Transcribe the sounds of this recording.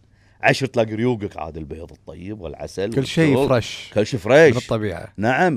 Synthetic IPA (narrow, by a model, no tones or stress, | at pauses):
ʕaʃɾˤt̪laːɡɾjuːɡakʕa̰ːd̪ɪlbḛːðˤɨt̪ˤːɑjːɪbwɪ̰lʕa̰salʊlːʃiːɾˤɑʃkʊlːʃiːfɾeːnt̪ˤːɑbiːʕa̰naʕam